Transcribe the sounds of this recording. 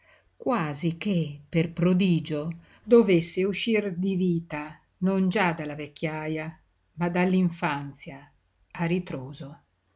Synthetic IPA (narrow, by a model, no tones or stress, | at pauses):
kwaːzik̟epːerpɾod̪iːd͡ʒo | d̪ovesːeuʃːird̪iviːt̪a | nond͡ʒad̪alavekːjaja | mad̪alːiɱfant̪sja | arit̪ɾoːzo